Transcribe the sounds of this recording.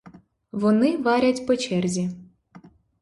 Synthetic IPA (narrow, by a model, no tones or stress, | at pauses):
ʋɔnɪʋɑɾʲɐtʲpɔt͡ʃɛrzʲi